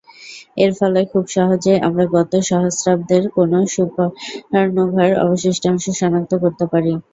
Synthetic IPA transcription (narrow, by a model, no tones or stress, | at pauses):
eɾfɔlekʰubʃɔɦod͡ʑeeʔa̰mɾaɡɔt̪oʃɔɦosɾab̚d̪eɾkonoʃupaaɾnoɡʱaɾɔ̰boʃeʃʈʰaŋʃuʃɔnak̚t̪okoɾt̪epaɾi